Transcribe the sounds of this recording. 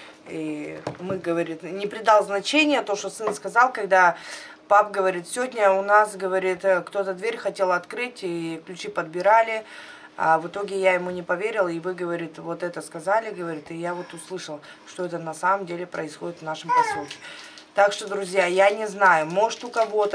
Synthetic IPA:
imɨɡəvɐɾʲit̪nʲɪpɾʲɪd̪alˠznɐt͡ɕenʲɪjət̪oʂt̪osɨnskɐzɑlˠkɐɡd̪a | papɡəvɐɾʲit̪sʲɪvʲodʲnʲəʊnasɡəvɐɾʲit̪kt̪o̞t̪əd̪vʲeɾʲxɐtʲe̞lˠɐt̪kɾɨtʲiklʲʉt͡ɕipəd̪̚bʲɪɾalʲɪ | a̰vɨt̪o̞ɡʲɪjajɪmunʲɪpɐvʲeɾʲɪlˠɪvɨɡəvɐɾʲit̪vo̞t̪ɛt̪əskɐzalʲɪɡəvɐɾʲit̪ɨjavo̞t̪ʊslˠɨʂəlˠ | ʂt̪oɛt̪ənɐsaməmdʲelʲɪpɾəɪsxo̞dʲɪt̪vnaʂɨmpɐsukʲɪ̥t̪akʂt̪od̪ɾʊzʲjajanʲɪznajʊmo̞ʐɨt̪ʊkɐvo̞t̪ə

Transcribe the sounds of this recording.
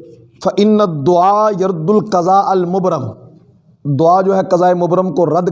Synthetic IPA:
fɐʔɪnːɐd̪ːʊaːjɐɾd̪ʊlqɐzaːʔɐlmʊbɾəm | d̪ʊaːd͡ʒoːɦɛqɐzaːemʊbɾəmkoɾɐd̪

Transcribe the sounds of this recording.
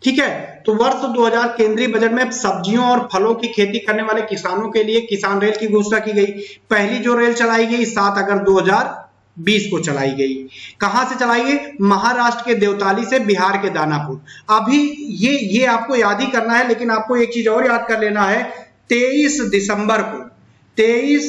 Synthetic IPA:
ʈʰiːkɦɛːt̪oʋɐɾt̪d̪oːɦəzaːɾkẽːnd̪ɾibɐd͡ʒəʈmẽsɐb̚d͡ʒijõɔːɾpʰɐlõkikʰeːt̪ikɐɾneʋaːlekɪsaːnõkeliekɪsaːnɾeːlkiɡʱʊsɾakiɡɐipɛɦlid͡ʒoɾeːlt͡ʃɐlaːiɡəisaːt̪ɐɡəɾd̪oːɦəzaːɾ | biːskot͡ʃɐla̰ːiɡɐikɐɦãset͡ʃəlaːiemɐɦaɾaːʃʈɾəked̪eːʊt̪aːlisebɪɦaːɾked̪aːnapʊɾɐbʱijejeaːp̚kojaːd̪ʱikɐɾnaɦɛleːkɪnaːp̚koeːk̚t͡ʃiːzɔːɾjaːd̪̚kɐɾleːnaɦɛ | t̪eːiːsd̪ɪsə̃mbəɾko | t̪eːiːs

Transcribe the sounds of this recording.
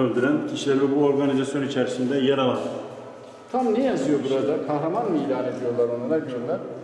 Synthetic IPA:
ølʲd̪yɾæncʲʰiʃlʲæɾlʲɛbuo̞ɾɡanizasjo̞nit͡ʃʰæɾsind̪ɛjaɾalˠan | t̪ʰamnejazɯjo̞buɾad̪apʰahlˠamanmailʲaːned̪ijo̞ɾlˠaɾonad̪ˠaɡyɾoɾlʲæɾ

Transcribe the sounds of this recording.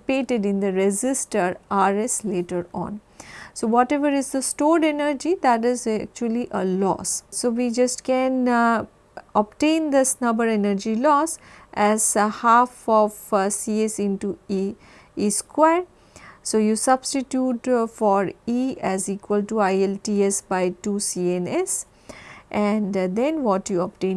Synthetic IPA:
peːʈɪɖɪ̃nd̪əɾɛd͡ʒɪsʈəɾaɾesleːʈəɾɔ̰̃ːn | soːʋɔʈɛʋəɾɪzd̪əsʈoːɖenəɾd͡ʒid̪æʈɪzk̚t͡ʃuəliʔəlɔ̰ːssoːʋid͡ʒʌsʈkɛ̃n | ɔb̚ʈẽːnd̪ɪsnʌbəɾenəɾd͡ʒilɔːsʔɛzhaːfɔfsiːesɪ̃nʈui | iskwaɾ | soːjusʌbsʈiʈjuːʈfɔɾiɛziːkwəlʈuaɪelʈiesbaɪʈusiːẽnes | ʔɛ̃ɳɖd̪ɛ̃nʋɔʈjuɔp̚ʈẽː

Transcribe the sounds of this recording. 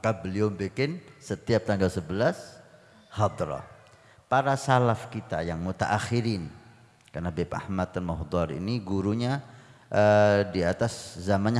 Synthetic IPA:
kabəliawmbekɪnsət̪iap̚t̪aŋɡalsəbəlas | had̪ɾɔ̰ | paɾasalafkit̪a̰jaŋmut̪a̰ʔaxiɾin | karnabɛpa̰hmat̪̚ːanmɔɦd̪ɑrḭniɡuɾuɲa | ʔədiat̪aszamanɲa

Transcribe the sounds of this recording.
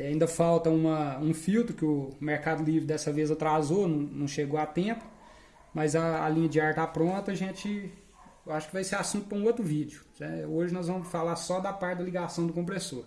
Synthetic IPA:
aĩnd̪ɐfawt̪ɐũmɐũfiwt̪ɾʊkɪʊmeɾkad̪ʊlivɾɪd̪ɛsɐvezɐt̪ɾazonɐ̃w̃nɐ̃w̃ʃeɡoat̪ẽpʊ̥ | mɐzɐ̰ːlĩɲɐd͡ʒɪaɾt̪apɾõt̪ɐɐʒẽt͡ʃɪ | ewaʃʊ̥kɪvajseɾasũnt̪ʊpɾɐũot̪ɾʊvid͡ʒɪʊnɛoʒɪnɔzvɐ̃mʊsfalaɾsɔd̪ɐpaɾt͡ʃɪd̪ɐliɡasɐ̃w̃d̪ʊkõmp̬ɾesoɾ

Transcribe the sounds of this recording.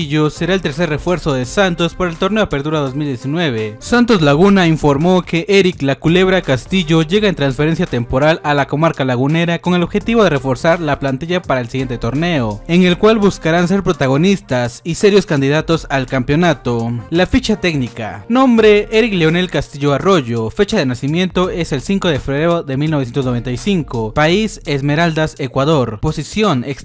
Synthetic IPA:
ʝo̞se̞ɾae̞lt̪e̞ɾse̞ɾre̞fwe̞ɾso̞ðe̞sant̪o̞spaɾaelt̪o̞ɾneoape̞ɾt̪uɾao̞zmild̪je̞sinwe̞βe̞sant̪o̞zlaɣunaiɱfo̞ɾmoke̞ʔeɾiklakule̞βɾakast̪iʝo̞ʝe̞ɣae̞nt̪ɾansfe̞ɾe̞nsjat̪e̞mpo̞ɾalalako̞maɾkalaɣune̞ɾako̞ŋelo̞βxe̞t̪iβo̞ðe̞re̞fo̞ɾsaɾlaplant̪iʝapaɾaelsiɣjent̪et̪o̞ɾne̞o̞e̞ŋe̞lkwalβuskaɾanse̞ɾpɾot̪aɣ̞o̞nist̪asise̞ɾjo̞skand̪iðat̪o̞salkampjo̞nat̪olafit͡ʃat̪e̞ɡnika̰nõ̞mbɾe̞eɾikleo̞ne̞lkast̪iʝo̞aro̞ʝo̞fe̞t͡ʃaðe̞nasimje̞nt̪o̞e̞se̞lsiŋkoðefeβɾɾeoðe̞milnosjent̪oznoe̞nt̪ajsiŋkopaise̞zme̞ɾald̪ase̞kwaðo̞ɾpo̞sisjo̞neks

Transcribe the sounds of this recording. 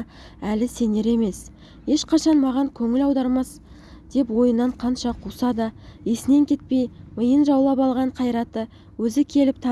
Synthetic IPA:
ælɪse̞ne̞ɾe̞me̞s | je̞ʃqʰɑʃɑnmɑʁɑŋkʲʰɵŋɪlɑwd̪ɑɾmɑs | d̪̥e̞pwo̞jənːɑɴqʰɑnʃɑqʰusɑd̪əesɪne̞ŋkʲʰe̞t̪̚pe̞jməjənʒɑwlˠɑpɑlˠʁɑɴqʰɑjɾɑt̪ːə | wɵzɪkʲʰe̞lɪp̚t̪ʰɑ

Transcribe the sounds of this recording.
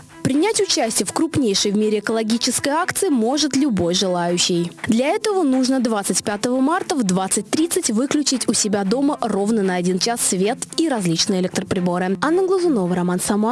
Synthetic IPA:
pɾʲɪnʲætʲʊt͡ɕæsʲtʲɪjəfkɾʊpnʲejʂɨjvmʲeɾʲɪɛkəlˠɐɡʲit͡ɕɪskəjakt̪sɨɪmo̞ʐɨt̪lʲʊbo̞jʐɨlˠajʉɕːɪjd̪lʲɐɛt̪əvənuʐnəd̪vat̪sɨtʲpʲat̪əvəmart̪əvd̪vat̪sɨt̚ʲt̪ɾʲit̪sɨtʲvɨklʲʉt͡ɕɪtʲʊsʲɪbʲad̪o̞məro̞vnənɐɐdʲint͡ɕasːvʲe̞t̪iɾɐzʲlʲit͡ɕnɨjəɪlʲɛk̚t̪ɾəpɾʲɪbo̞ɾɨanːəɡlˠʊzʊnovəɾɐmansɐma

